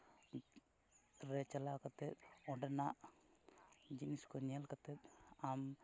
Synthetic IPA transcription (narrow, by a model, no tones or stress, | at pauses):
ɾɛt͡ʃalakat̪ɛt̪̚ɔɳɖɛnaʔ | d͡ʒiniskɔɲɛlkat̪ɛt̪̚am